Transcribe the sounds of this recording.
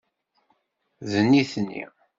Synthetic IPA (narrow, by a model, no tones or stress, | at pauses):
ðənːiθnːḭ